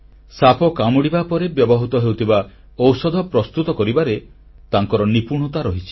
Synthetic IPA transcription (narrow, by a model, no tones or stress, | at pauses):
sapɔkamɔɽibapɔɾebjɔbɔɦut̪ɔɦewt̪ʰiba | ɔwsɔd̪ʱɔpɾɔst̪ut̪ɔkɔɾibaɾe | t̪aŋkɔɾɔnipuɾɽɳ̃ɔt̪aɾɔɦit͡ʃʰi̥